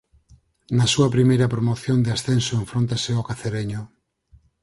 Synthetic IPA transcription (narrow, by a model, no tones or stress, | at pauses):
nasuɐpɾimejɾɐpɾomoθjond̪easθensoeɱfɾõnt̪aseokaθeɾeɲo